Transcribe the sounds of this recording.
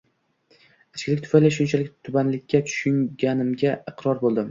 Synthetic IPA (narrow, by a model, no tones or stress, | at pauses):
at͡ʃkʲɪlɪk̚ʲt̪ʰʊfajlɪʃ̬ʊnt͡ʃʰalɪk̚ʲt̪ʰʊbanlɪkʲːat̪ʰʊ̥ʃʊŋɡʲanɪmɡʲaɨqɾɒɾbolˠd̪ɪm